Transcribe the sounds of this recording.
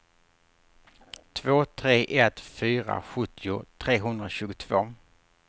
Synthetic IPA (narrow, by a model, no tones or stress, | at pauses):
t̪ʰvoːt̪ʰɾeːʔɛt̪fyːɾa̰ɧɵt̪ʰːɪʊt̪ʰɾeːɦɵnd̪ɾaɕʉ̟ːɡʊt̪ʰv̥oː